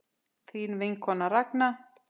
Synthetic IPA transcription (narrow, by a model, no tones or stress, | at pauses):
θiːnvɪŋkʰɔːnaɾakna